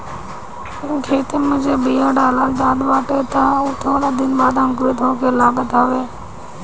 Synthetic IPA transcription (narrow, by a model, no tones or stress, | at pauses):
ɪnkʰeːt̪eːmʊ̃d͡ʒeːbiːjaːɖaːlaːld̪aːɗ̪ʋaːʈeːt̪auːt̪ʰoːɽaːd̪ɪnbaːd̪ə̃ŋkɾit̪ʰõːkeːlaːɡət̪aːʋeː